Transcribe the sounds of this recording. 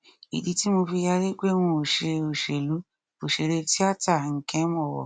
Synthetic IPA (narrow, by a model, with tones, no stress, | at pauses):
ḭ˨di˧ti˦mo˧fi˧ja˧ɾe˦ɡ͡be˦wũ˧o˨ʃe˧o˨ʃe˨lu˨˦ | o˨ʃe˨ɾe˧ti˦a˦ta˦˨ŋ̩˨˦kɛ̃˦mɔ̃˦˨wɔ̰˨